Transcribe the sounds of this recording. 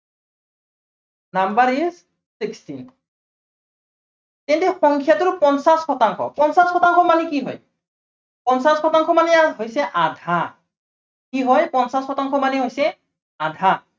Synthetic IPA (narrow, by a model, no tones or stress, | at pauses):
nambaɹis | sikstin | tɛntɛxɔŋkʰjatʊɹpɔnsaskʰɔtaŋkʰɔ̰pɔnsaskʰɔtaŋkʰɔmanikiɦɔ̰j | pɔnsaskʰɔtaŋkʰɔmaniaɦojsɛʔadʱa | kiɦɔjpɔnsaskʰɔtaŋkʰɔmaniɦojsɛ | adʱa